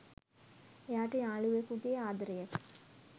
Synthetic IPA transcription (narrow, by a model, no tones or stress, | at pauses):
ejaːʈəjaːɭuʋekuɡeːaːd̪ɾejək